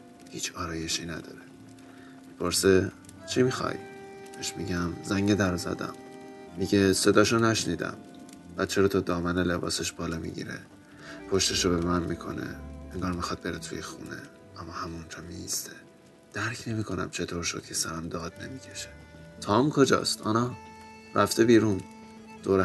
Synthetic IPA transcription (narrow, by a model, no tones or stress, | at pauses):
hiːt͡ʃʰɒːɾɒːje̞ʃiːnæd̪ɒ̰ːɾe | mipʰo̞ɾse | t͡ʃʰimixɒ̰jb̥eʃmiɟæmzæŋɟed̪æɾzæ̰d̪æ̰mːiɟese̞d̪ɒːʃonæʃniːd̪æ̰m | b̥æt̪̚t͡ʃʰeɾɔːt̪ʰɒd̪ɒːmænele̞bɒ̰ːseʃb̥ɒːlɒːmḭɟḭɾḛ | pʰo̞ʃt̪eʃobeemænmikʰo̞̰nḛeŋɡɒːɾmixɒd̪̚be̞ɾet̪ʰujexunḛ | ʔæmːɒːhæmund͡ʒɒːmiist̪ʰe | d̪̥æɾkʰne̞miːkʰo̞næ̰mt͡ʃʰe̞t̪ʰoɾʃod̪̥̚cʰe̥sæɾæmd̪ɒːd̪ne̞miːcʰe̞̥ʃe̥ | t̪ʰɒːmkʰo̞d͡ʒɒ̰ːst̪ɒːnɒɾʔæft̪ebiːɾuːn | d̪̥oːɾe